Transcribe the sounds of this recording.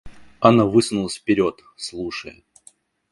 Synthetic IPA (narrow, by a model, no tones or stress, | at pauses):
anavɨsnʊlˠəsʲfpʲɪɾʲot̪ | slˠuʂə̰j